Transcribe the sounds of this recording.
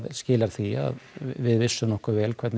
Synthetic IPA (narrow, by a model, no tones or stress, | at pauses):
ðscɪːlaɾ̥θia̰ðvɪðvɪsːʏnɔhkʏvɛːlkʰvɛɾt̪n